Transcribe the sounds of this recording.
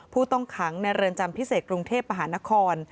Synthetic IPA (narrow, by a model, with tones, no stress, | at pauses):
pʰuː˥˩t̪ɔ˥˩ŋkʰa˩˦ŋna˧jɾɤ˧ənt͡ɕa˧mpʰi˦˥seː˨˩t̪̚kɾu˧ŋt̪ʰeː˥˩p̚ma˧ɦaː˩˦˥na˦˥kʰɔː˧n